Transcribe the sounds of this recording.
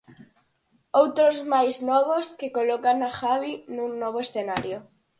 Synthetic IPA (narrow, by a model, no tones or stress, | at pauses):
owt̪ɾozmajznɔβ̞oskekolɔkanaxaβinũnɔβ̞oesθenaɾjo